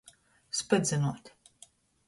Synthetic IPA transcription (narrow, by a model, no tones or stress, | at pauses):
spɨd̪zʲɨnuɔt̪ʲ